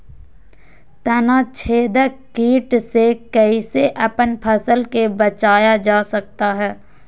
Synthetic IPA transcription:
t̪ənat͡ʃʰeːd̪əkiːʈsekəiseʔɐpənpʰɐsəlkebɐt͡ʃaːjad͡ʒaːsɐk̚t̪aɦɛː

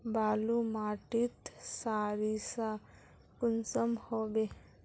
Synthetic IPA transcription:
baːlumaːʈit̪saːɾisa | kʊnsəmhoːbe

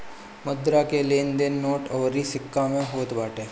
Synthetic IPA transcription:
məd̪ɾakeleːnd̪enːoːʈɔʋɾisɪkːamẽɦoːt̪baːʈeː

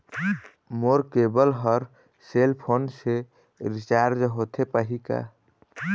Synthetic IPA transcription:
moɾkebəlɦəɾ | selpʰonse | ɾit͡ʃaɾd͡ʒɦot̪ʰepəɦika̰

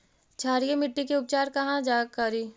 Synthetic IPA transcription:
t͡ʃʰaːɾijemɪʈːikeʊp̚t͡ʃaːɾkɐɦãd͡ʒaːkɐɾiː

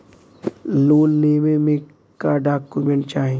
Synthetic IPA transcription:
loːnːeːmẽmẽ | kaɖaːkumẽɳʈ̚t͡ʃaːɦẽ

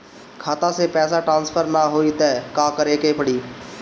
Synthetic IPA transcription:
kʰaːt̪ãːseːpɛːsaːʈɾãːnspʰəɾnaɦoːiːt̪ɛːkãːkəɾeːkeːpəɽiː

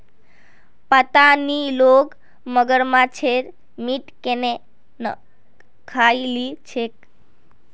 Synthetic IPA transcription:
pət̪anilok | məɡəɾmãt͡ʃʰeɾ | miʈkene | nə̰ | kʰailit͡ʃʰek̚

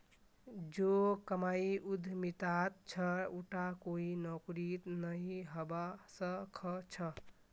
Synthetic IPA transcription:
d͡ʒokəmaiʔud̪ʱmit̪at̪̚t͡ʃʰəuʈakoinɔkɾit̪nəjɦəbasəkʰət͡ʃʰə

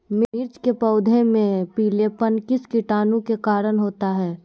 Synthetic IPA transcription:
mɪɪɾt͡ʃkepɐʊd̪ʱẽmẽpiːlepɐnkɪskɪʈaːnũkekaːɾənɦoːt̪aɦɛː

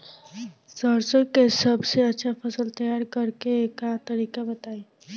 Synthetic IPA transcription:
səɾsəɾkesəbseətːʃʰapʰəsəlt̪əjaɾkəɾkeːkat̪əɾikabət̪ai

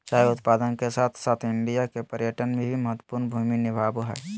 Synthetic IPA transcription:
t͡ʃaːɦeʊt̪paːd̪ənkesaːt̪ʰsaːt̪ʰɪ̃nɖijakepəɾjəʈənmebʱiməɦət̪wə̥puːɾnbʱuːminɪbʱaːbuɦɛ̰ː

